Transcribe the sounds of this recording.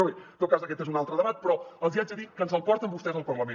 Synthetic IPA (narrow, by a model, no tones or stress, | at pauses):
ojt̪owkazuðɐkɛt̪ẽzunalˠt̪ɾɐðɐβat̪̚pɾɔɐlˠziazɐðikːɐ̃nzɐlˠpɔɾt̪ɐ̃mbuʃt̪ɛzɐlˠpɾɔ̃lɐmẽ